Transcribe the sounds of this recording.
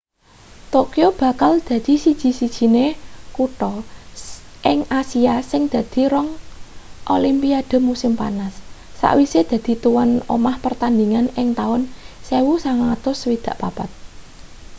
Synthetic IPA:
t̪okiob̥ä̤kald̪̥ä̤d̪̥i̤sid̥ʒ̥i̤sid̥ʒ̥i̤nekuʈɔ | ʔɪŋasiasɪŋd̪̥ä̤d̪̥i̤ɾɔŋ | ʔolimpiad̪̥ə̤musɪmpanasː | a̰ʔwised̪̥ä̤d̪̥i̤t̪uwano̰mahpərt̪and̪iŋanɪŋt̪aʊnsewusaŋat̪ʊswid̪̥a̤ʔpapat̪̚

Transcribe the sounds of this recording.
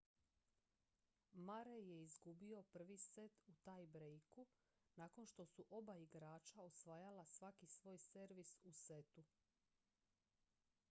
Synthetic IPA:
maɾeje̞izɡubio̞pr̩ʋiset̪ut̪ajbɾejku | naːko̞nʃt̪o̞suʔo̞baiɡɾaːt͡ʃaosʋaːjalasʋakisʋo̞ːjse̞ɾʋisuset̪u

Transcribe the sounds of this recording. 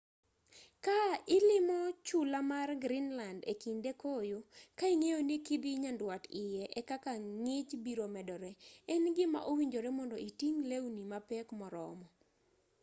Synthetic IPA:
kaɪlɪmɔt͡ʃulamarɡɾinlandekindekojokaiŋejonikibiɲandwatɪjɛʔɛkakaŋɪt͡ʃbiɾomɛdɔɾɛɛnɡɪma̰ʔowiɲd͡ʒoɾɛmɔndɔitiŋlewnimapɛkmɔɾɔ̰mɔ

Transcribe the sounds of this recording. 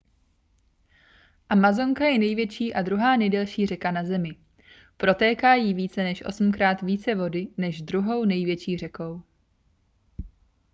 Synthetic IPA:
ʔamazo̞ŋkajɛnɛjvjɛt͡ʃiːʔadɾuɦaːnɛjdɛlʃiːr̝ɛkanazɛmɪ | pɾo̞t̪ɛːkaːjiːviːt͡sɛnɛʃʔo̞̰sm̩kɾaːt̪viːt͡sɛvo̞dɪnɛʒd̪ɾuɦo̞wnɛjvjɛt͡ʃiːr̝ɛko̞w

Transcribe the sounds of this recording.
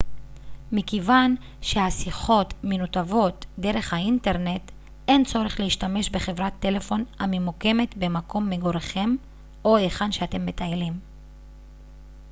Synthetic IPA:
mikevan | ʃehasiχo̞tmenutavo̞tde̞ʁe̞χhainte̞ʁne̞t | e̞nt͡so̞ʁeχleiʃtame̞ʃbe̞χe̞vʁat̪ːe̞le̞fo̞namemuke̞me̞t̪be̞mako̞mːeɡo̞ʁeχe̞m | o̞eχanʃeate̞mːe̞tailim

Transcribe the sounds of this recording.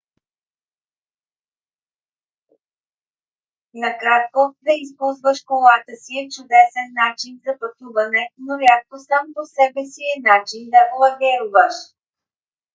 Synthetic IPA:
nɐkɾat̪̚kovɛispuzvəʃkolˠat̪əsiɛt͡ʃʊd̪ɛsɛnːat͡ʃinzɐpɐt̪uvɐnɛnolʲakkosamposɛbɛsiɛnat͡ʃind̪ɐʔlˠɐɡʲɛɾuvəʃ

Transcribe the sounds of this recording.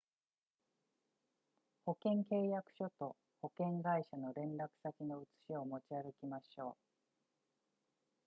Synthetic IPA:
ho̞kẽ̞ŋke̞ːjakɯ̟̥ɕo̞t̪o̞ | ho̞kẽ̞ŋɡaiɕano̞ɾẽ̞nɾakɯ̟̥sakʲino̞ɯ̟t͡sɨ̥ɕiomo̞t͡ɕiaɡekʲimaɕo̞ː

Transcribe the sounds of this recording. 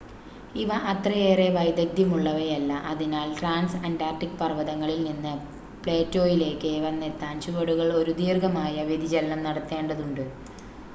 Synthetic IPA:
iʋɐʔɐt̪rɐjeːre̞ʋɐjd̪ɐɡ̚d̪jɐmuɭːɐʋɐjɐlːɐʔɐðinaːlʈraːnsɐndaːrʈikːpɐrʋɐðɐŋːɐɭilninːɨ | pɭeːtːo̞ːjile̞ːkːɨiʋɐnːet̪ːaːnt͡ɕuʋɐɽuɣɐɭo̞ɾud̪iːrɡɐmaːjɐʋjed̪id͡ʑɐlɐnɐmnɐɽɐt̪ːe̞ːɳɖɐðuɳɖɨ

